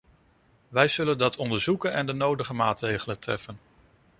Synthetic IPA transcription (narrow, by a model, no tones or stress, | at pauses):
ʋɛjz̥ɵləndɑtʰɔndəɹzukənɛndənowdəχəmaːtrejχələntrɛ̰fən